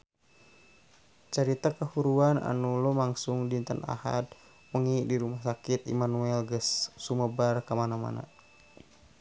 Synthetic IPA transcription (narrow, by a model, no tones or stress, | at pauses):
t͡ʃəɾit̪akəhuɾuana̰nulɔmaŋsuŋdint̪əna̰ha̰d̪̚ | məŋidiɾumahsakit̪ḭmanuɛlɡəsːuməbarkamanama̰na̰